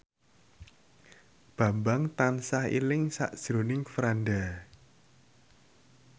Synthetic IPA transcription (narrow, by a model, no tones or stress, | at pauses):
b̥a̤mbaŋt̪ansahḭlɪŋsa̰ʔd̥ʒ̥ɾonɪŋfɾanɖa